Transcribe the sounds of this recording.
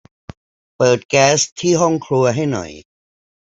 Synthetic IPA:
pɤː˨˩t̪̚kɛː˦˥st̪ʰːiː˥˩ɦɔ˥˩ŋkʰɾu˧ɐɦa˥˩jnɔ̰˨˩j

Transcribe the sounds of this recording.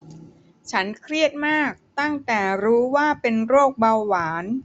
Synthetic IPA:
t͡ɕʰa˦˥nkʰɾi˥˩ət̪̚maː˥˩k̚t̪a˥˩ŋt̪ɛː˨˩ɾuː˦˥waː˥˩pe˧nɾoː˥˩k̚ba˧wːaː˩˦n

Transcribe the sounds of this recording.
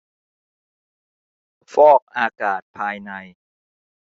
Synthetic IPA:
fɔː˥˩k̚ʔaː˧kaː˨˩t̪̚pʰaː˧jna˧j

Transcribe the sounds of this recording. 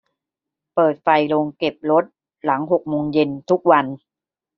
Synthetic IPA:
pɤː˨˩t̪̚fa˧˩jlo˧ŋke˨˩p̚ɾo˦˥t̪̚ | la˩˦ŋɦo˨˩k̚moː˧ŋje˧nt̪ʰu˦˥k̚wa˧n

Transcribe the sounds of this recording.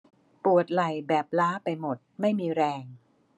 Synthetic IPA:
pu˨˩ət̪̚la˨˩jbɛː˨˩p̚laː˦˥pa˧jmo˨˩t̪̚ma˥˩jmiː˧ɾɛː˧ŋ

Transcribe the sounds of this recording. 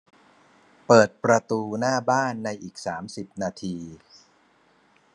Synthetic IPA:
pɤː˨˩t̪̚pɾa˧t̪uː˧naː˥˩baː˥˩nːa˧jʔiː˨˩k̚saː˩˦msi˨˩p̚naː˧t̪ʰiː˧

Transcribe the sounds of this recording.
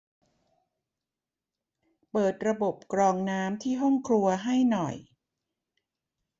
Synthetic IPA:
pɤː˨˩t̪̚ɾa˧bo˨˩p̚kɾɔː˧ŋnaː˦˥mt̪ʰiː˥˩ɦɔ˥˩ŋkʰɾu˧ɐɦa˥˩jnɔ˨˩j

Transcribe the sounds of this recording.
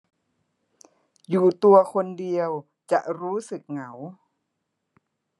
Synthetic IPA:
juː˨˩t̪u˧ɐkʰo˧ndi˧əw | t͡ɕa˨˩ʔɾuː˦˥sɯ˨˩k̚ŋa˩˦w

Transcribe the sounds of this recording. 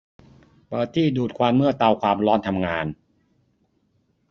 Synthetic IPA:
pɤː˨˩t̪ʰːiː˥˩duː˨˩t̪̚kʰwaː˧nmɯ˥˩ɐt̪a˧wkʰwaː˧mɾɔː˦˥nt̪ʰa˧mŋaː˧n

